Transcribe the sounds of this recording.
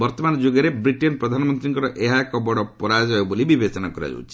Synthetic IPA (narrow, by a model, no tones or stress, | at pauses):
bɔɾt̪ɔmanɔd͡ʒoɡɔɾebɾiʈenpɾɔd̪ʱanɔmɔnt̪ɾiŋkɔɾɔʔeɦakɔbɔɽɔpɔɾad͡ʒɔjobolibibet͡ʃɔnakɔɾa̰d͡ʒɔ̰w̰t͡ʃʰi